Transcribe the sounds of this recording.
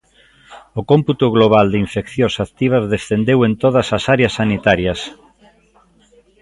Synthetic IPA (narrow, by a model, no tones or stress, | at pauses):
okomput̪ʊɣloβald̪eiɱfekθjõsat̪iβ̞ɐzðesθend̪ewent̪oð̞ɐsasaɾeɐsːanit̪aɾjɐs